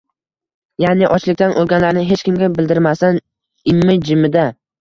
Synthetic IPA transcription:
janɪʔɒt͡ʃlɪk̚ʲt̪anʔolˠɡʲanlaɾnɪɦet͡ʃkʲɪmɡʲabɪld̪ɪɾmasan | ɪmːɪd͡ʒɪmɪd̪a

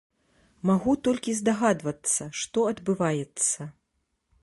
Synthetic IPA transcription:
maɣut̪ɔlʲkʲizd̪aɣad̪vɐt̪sːɐʂt̪ɔɐd̪bɨvajɛt̪sːɐ

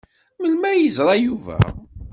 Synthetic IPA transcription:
məlmæjəzɾˤɑjuvæ̰

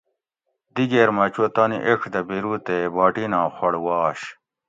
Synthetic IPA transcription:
d̪iɡeɾmɐt͡ɕot̪ɐnḭʔekʰd̪ɐbiɾut̪ebaːʈinãːxoɽwaːɕ

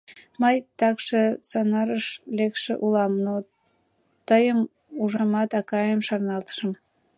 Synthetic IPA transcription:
məjt̪ɑkʃesɑnɑɾəʃlekʃḛʔulɑmno | t̪əjəm | uʒɑmɑt̪ɑkɑjəmʃɑrnɑlt̪ə̥ʃə̆m

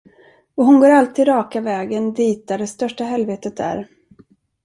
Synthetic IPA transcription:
ɔɦʊnɡoːɾalt̪ʰiːd̪ɾɑːkavɛːɡənd̪iːt̪̚d̪aɖɛst̪œʂʈaɦɛlveːt̪ət̪æ̰ɾ

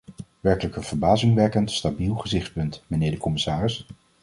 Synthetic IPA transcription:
ʋɛɹkələkənv̥əɹbaːzɪŋʋɛkəntstabilˠχəzɪχt̚pɵntmənɪːɹdəkɔmɪsaːrɪs

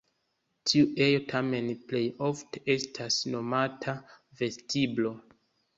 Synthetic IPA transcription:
tʰiuʔe̞jo̞tʰame̞nple̞jo̞fte̞̥ʔe̞stʰasno̞matʰa | ve̞stʰiblo̞

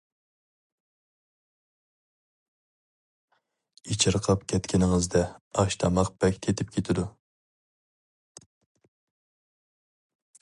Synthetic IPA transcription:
it͡ʃʰɪɾqʰɑpkʲʰɛt̪kʲɪnɪŋɨzd̪ɛɑʃt̪ʰɑmɑq̚bɛkʲt̪ʰet̪ʰɪp̚kʲʰet̪ʰɪd̪u

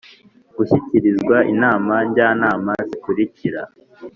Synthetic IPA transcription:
ɡ̥uçiciɾizɡwaʔinaːmaɲɟaːnaːmazikuɾiciɾa

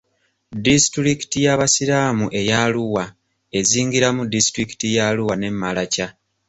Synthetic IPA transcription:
distɾiki̥tijaβasiɾaːmuʔe̞jaluwa | e̞ziːŋɡiɾamudistɾiki̥tijaluwane̞mːalaca

